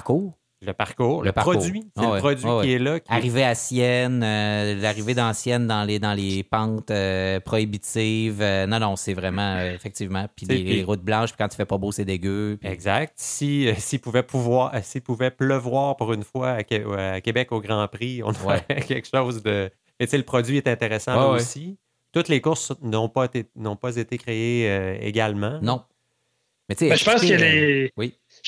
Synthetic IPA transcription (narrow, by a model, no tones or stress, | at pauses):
kuːʁ | ləpaʁkuːʁləpaɔɥisweɛwpʁɔd̪zɥwiɛwiɛlakʲaʁiveasjɛnølaʁived̪ɑ̃sjɛnd̪ɑ̃led̪ɑ̃lepɑ̃t̪øpχɔibit̪ivønɔ̃nɔ̃sɛvʁɛmɑ̃øefɛk̚t̪iːvmɑ̃pilʁʊt̪̚blɑ̃ʃpi̥kɑ̃t̪y̥fɛpɔbosed̪eɡʲøpɛɡzak̚t̪sisipuvɛpʰuvwaːsipuvɛpləvwaːʁpuʁynfwaakʲɛakʲebɛkoɡʁɑ̃pʁiɔ̰̃nɔwɛɛkʲɛlkʃoʊzd̪ə | mɛt͡seləpχɔdzɥiɛt̪ɛ̃t̪eʁesɑ̃wɛwoɛsi | t̪ʊt̪lekʊʁsnɔ̃pʌt̪enɔ̃pʌzet̪ekʁeeøḛɡʲalmɑ̃nɔ̃ | mɛt͡seɛʃəpɑ̃səlewi